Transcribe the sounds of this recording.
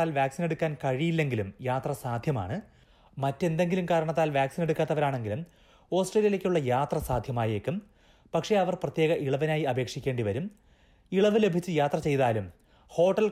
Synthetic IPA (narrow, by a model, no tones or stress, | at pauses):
aːlʋjaːksineɽukʲːaːnkɐɻijilːe̞ŋɡilumjaːt̪rɐsaːd̪ʱjɐma̰ːɳɨ | mɐtːe̞nd̪e̞ŋɡilumkaːɾɐɳɐt̪ːaːlʋjaːksine̞ɽukʲːaːt̪ːɐʋɐɾaːɳe̞ŋɡilum | o̞ːsʈreːlijilekʲːuɭːɐjaːt̪rɐsaːd̪ʱjɐmaːjeːkːum | pɐkʂe̞ɐʋɐrprɐt̪jeːɣɐʔiɭɐʋɐnaːjiɐbʱe̞ːkʂikʲːe̞ːɳɖiʋɐɾum | iɭɐʋɨle̞bʱit͡ɕːɨjaːt̪rɐt͡ɕe̞jt̪aːlum | ho̞ːʈːɐl